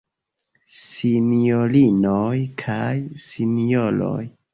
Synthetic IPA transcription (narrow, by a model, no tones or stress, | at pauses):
sinjo̞linojkʰajsinijolo̞̰j